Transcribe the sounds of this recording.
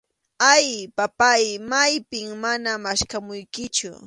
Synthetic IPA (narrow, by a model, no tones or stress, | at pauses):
ajpapajmajpɪŋmanamaʃkamʊjkɪt͡ʃʊ̰